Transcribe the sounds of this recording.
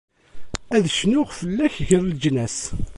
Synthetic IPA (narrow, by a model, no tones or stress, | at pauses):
æðʃnʊʁfəlːæçʝəɾld͡ʒnæs